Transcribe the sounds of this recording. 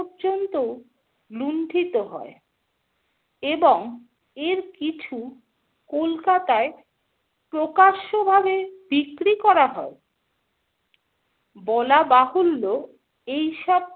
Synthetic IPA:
ɾd͡ʑont̪o | lunɖʱit̪oɦɔ̰e | eboŋ | eɾkit͡ɕʰu | kolkat̪ae | pɾokaʃobʱabebikɾikɔɾaɦɔe | bɔlabaɦolːo | ejʃɔb̚

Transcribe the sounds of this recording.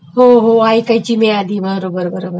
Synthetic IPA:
ɦoɦoaːikɐit͡ɕimead̪iːbəɾɾobəɾobəɾobəɾ

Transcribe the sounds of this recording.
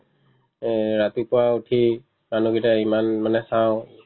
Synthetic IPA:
ɹat̪ipɔwautʰi | manuɡitaimanmanɛsaʊ̃

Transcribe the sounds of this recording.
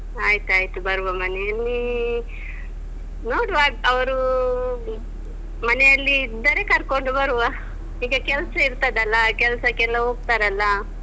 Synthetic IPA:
aːjit̪uaːjt̪ubɐɾʋɐmɐnɛjɐlːi | noːɽʋaːɐʋɐɾu | mɐnɛjɐlːid̪ɐɾekɐɾkoɳɖubɐɾuʋa | iːɡɐkɛlsɐiɾt̪ɐd̪ɐlːɐkɛlsɐkɛlːɐɦoːɡ̚t̪aːɾɐlːɐ

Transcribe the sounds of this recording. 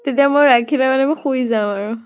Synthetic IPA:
tetijamojɹakʰilamanɛmɔjxujzaʊ̃aɹu

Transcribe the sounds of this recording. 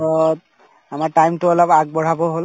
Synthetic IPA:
ɔt | amaʈajmtʊɔlabaɡ̚bɔɹ̤abɔɦol

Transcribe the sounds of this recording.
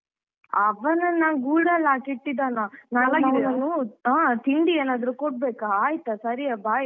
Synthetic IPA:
ɐʋɐnɐnaːnɡuːɽɐlːakiʈːid̪aːnanaːlaːɡiinanːuaːt̪iɳɖieːnaːd̪ɐɾukɔʈ̚beːkaaːjit̪ɐsɐɾiabaːji

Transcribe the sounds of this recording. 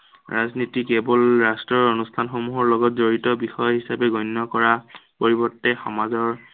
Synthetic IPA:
ɹaznitikebɔlɹastɹɔɹonustʰanxomuɦɔɹlɔɡɔtzoɹitɔbixɔjɔɦisapɛɡɔjnːɔkɔɹapoɹibɔɹtːɛxɔmazɔɹ

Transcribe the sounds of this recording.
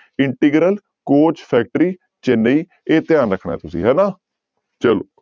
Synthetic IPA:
ɪɳʈɪɡɾəl | koːt͡ʃpʰɛːk̚ʈɾiː | t͡ʃenːeiː | eːt̪ɪjaːnɾəkʰɳa̰ːɛːt̪ʊsḭːɦɛːnaː | t͡ʃəloː

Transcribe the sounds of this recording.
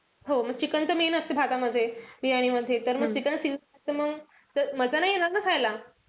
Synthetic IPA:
ɦoməɡ̚t͡ɕikənt̪əmenəst̪ebʱat̪aməd̪ʱːjeʋiɦaɽ̃iməd̪ʱːjet̪əɾməɡt͡ɕikənsilat̪əməɡ | d͡zəməd͡zanajjeñaɾnakʰajla

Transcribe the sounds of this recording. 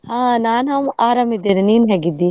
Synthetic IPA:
haːnaːnɦɐmaːɾɐmid̪eɾninɦɛɡid̪i

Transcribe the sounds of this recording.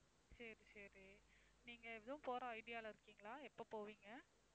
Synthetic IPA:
sɐɾisɐɾi | niːŋɡɐɛʋðɐʋʊ̃poːɾɐ̃ɐɪɽɪjaːɪlɐɪɾɯkːiːŋɡɐɭaːɛpːopoːʋiːŋɡɐ

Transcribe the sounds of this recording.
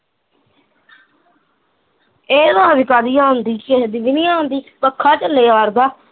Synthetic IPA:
eːd̪aãʋɪkaːd̪ijãːɦʊnd̪iːked̪ɪʋɪnijãːɦʊ̃nd̪iːpəkʰːaːt͡ʃəlːeːaːɾd̪aː

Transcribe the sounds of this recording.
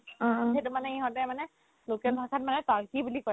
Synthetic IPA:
etumanɛiɦɔ̃tɛmanɛ | lokɛlbʱakʰatmanɛtaɹkibulikɔj

